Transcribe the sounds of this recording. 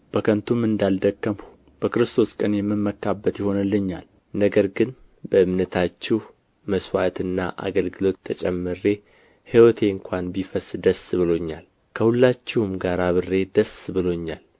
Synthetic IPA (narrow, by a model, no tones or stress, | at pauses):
b̥əkʰənt̪ʰumɨnd̪ald̪əkːəmu | b̥əkɨɾɨst̪ʰo̞skʼənjɛmːɨnmːəkːabːət̪jɪho̞nəlːəɲːal | nəɡəɾɡɨn | bəɨmnət̪ʰat͡ʃːɛh | məswat̪ɨnːa̰ʔa̰ɡəlɡɨlo̞t̪ʰːət͡ʃʼɛmːɨɾe̞ | hiwɔt̪ʰe̞ɨŋkʷʰanbifəsd̪əsbɨlo̞ɲːal | kʰəhulːat͡ʃːɪhmɡaɾaβɨrːe̞d̪əsbɨlo̞ɲːal